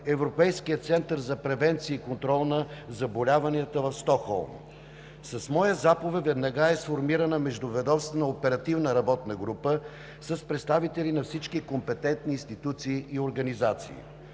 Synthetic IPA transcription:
ɛvɾopɛjskijət̪sɛnt̪əɾzɐpɾɛvɛnt̪siəikont̪ɾɔlˠnəzɐbolʲavɐniət̪əvɐfst̪ɔxɔ̰lˠm | sɐsmɔjəzapovɛt̪vɛd̪nɐɡaɛsfoɾmiɾənəmɛʒd̪ʊvɛd̪ɔfst̪vnəopɛɾɐt̪ivnəɾɐbɔt̪nəɡɾupə | sɐspɾɛt̪st̪avit̪ɛlinɐfsit͡ʃkikompɛt̪ɛnt̪niːnst̪it̪ut̪siːioɾɡɐnizat̪sḭː

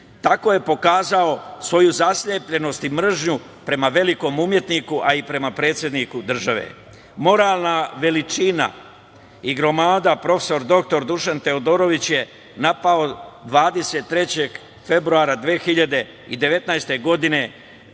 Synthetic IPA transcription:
t̪ako̞je̞po̞kaːzao̞sʋo̞juzasʎepʎe̞no̞st̪imr̩ʒɲu | pɾe̞maʋe̞liko̞mumje̞t̪nikuʔaipɾe̞mapɾe̞ːt̪sʲje̞d̪nikud̪r̩ʒaʋḛ | mo̞ɾaːlˠnaʋe̞lit͡ʃina̰ | iɡɾo̞maːd̪apɾo̞fe̥so̞ɾd̪o̞k̚t̪o̞ɾd̪uʃant̪e̞od̪o̞ɾo̞ʋit͡ɕje̞ | napao̞d̪ʋaːd̪e̞se̞t̪ːɾe̞t͡ɕe̞ɡ | fe̞bɾuaːɾad̪ʋeːxiʎad̪e̞ | id̪e̞ʋe̞t̪naest̪e̞ɡo̞d̪ine̞

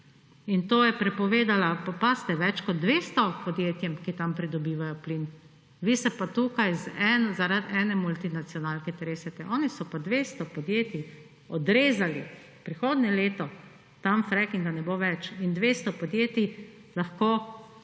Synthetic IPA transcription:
int̪oːjɛpɾɛpɔʋeːd̪alapɔpast̪ɛʋɛt͡ʃkɔd̪̚d̪ʋeːst̪ɔpɔd̪jeːt̪jɛmkit̪ampɾid̪ɔbiːʋajɔpliːn | ʋisɛpat̪ukajzɛnzaɾad̪ɛːnɛmult̪inat̪sjɔnaːlkɛt̪ɛɾeːsɛt̪ɛʔɔːnisɔpad̪ʋeːst̪ɔpɔd̪jeːt̪i | ɔd̪ɾeːzali | pɾixoːd̪nɛleːt̪ɔ | t̪amfɾɛkiŋɡanɛboʋɛt͡ʃind̪ʋeːst̪ɔpɔd̪jeːt̪i | laxkoː

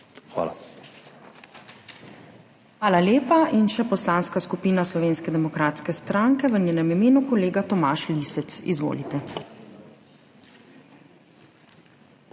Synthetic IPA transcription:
xʋa̰ːla̰ | xʋaːlaljeːpainʃɛpɔslaːnskaskupiːnaslɔʋeːnskɛd̪ɛmɔkɾaːt̪skɛst̪ɾaːŋkɛʋəɲeːnɛmimeːnukɔleːɡat̪ɔmaːʃlisɛt̪sḭzʋo̰ːlit̪ɛ

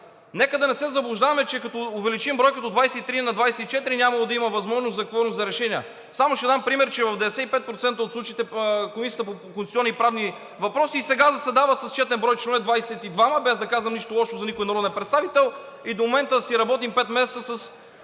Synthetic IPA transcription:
nɛkəd̪ɐnɛsɛzɐblˠʊʒd̪avɐmɛt͡ʃɛkɐt̪ɔʊvɛlit͡ʃimbɾɔjkit̪od̪vajsɛit̪ɾinɐd̪vajsɛit͡ʃɛt̪iɾinʲamɐlˠod̪ɐiməvɐzmɔʒnoszɐkvɔɾnosɐɾɛʃɛniə | samoʃɛd̪ampɾimɛɾt͡ʃɛvɐvd̪ɛɛsɛt̪ipɛt̪̚pɾot̪sɛnt̪əot̪sˠut͡ʃiːt̪ɛkomisijət̪əpokonsʲɔnːipɾavni | vɐpɾɔsiːsɛɡazɐsɛd̪avəsɐst͡ʃɛt̪ɛnbɾɔjt͡ʃnvɛd̪vajsɛt̪id̪vaməbɛzd̪ɐkazvɐmniʃt̪olˠɔʃt̪ozɐnikʊinɐɾɔd̪ɛpɾɛt̪st̪avit̪ɛlˠ | id̪omomɛnt̪əsiɾɐbɔt̪impɛt̪mɛsɛt̪səsɐs

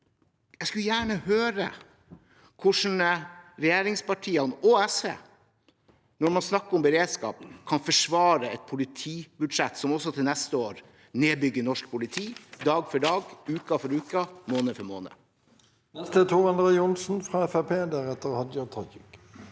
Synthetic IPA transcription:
jɛɡskʉljæːɳəhøːɾə̰ | kʰʊʂɳ̩əɾɛjeːɾɪŋspɑʈʰiːɑnoɛsḛ | nɔɾmɑnsnɑkːəɔmbəɾeːd̪skɑ̰ːpkʰɑnfɔʂʋɑːɾəɛt̪̚pʰʊlɪt̪ʰiːbʉd̪ʂɛt̪ːsɔmɔsɔt̪ʰɪlnɛst̪əoːɾ | neːbʏɡːəɳɔʂk̚pʰʊlɪt̪ʰiːd̪ɑːɡfɔɖɑːɡʉːkɑfɔɾʉːkəmoːnəfœɾmo̰ːnə̰ | nɛst̪ət̪ʰuːʁɑnd̪ʁɛʊnsn̩fʁɑɛfɛpʰeːd̪æːʁɛt̪ːəʁhɑd̪jɑt̪ʰɑkɪk

